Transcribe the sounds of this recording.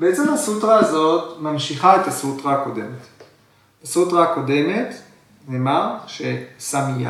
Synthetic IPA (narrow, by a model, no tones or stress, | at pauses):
beet͡se̞mhasutʁaːzo̞tmamʃiχaetasutʁako̞de̞met | asutʁako̞de̞me̞t | neːmaʁʃesamija̰